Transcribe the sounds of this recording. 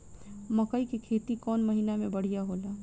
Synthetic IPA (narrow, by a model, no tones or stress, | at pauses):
məkəikekʰeːt̪ikɔːnməɦinamẽbəɽ̤ijaɦoːlaː